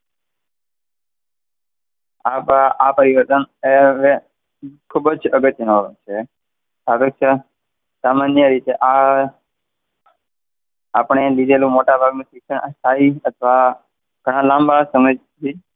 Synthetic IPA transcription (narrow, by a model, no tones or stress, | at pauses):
apapəɾiʋəɾt̪əneʋe | kʰubd͡ʒəɡət̪jənəɾũt͡ʃʰe | sabəkt͡ʃə | samanjəɾit̪eʔa | apɳ̃elid̪elũmoʈabʱaɡnũʃikʃəɳʔa̰st̪ʰaiət̪ʰʋa | ɡ̥ʱəɽ̃ãlãmbasəməjd͡ʒt̪ʰi